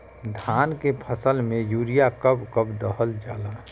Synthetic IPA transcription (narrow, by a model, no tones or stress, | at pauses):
d̪ʱaːnkepʰəsəlmẽjuːɾijakəbkəbd̪əɦəld͡ʒa̰ːlaː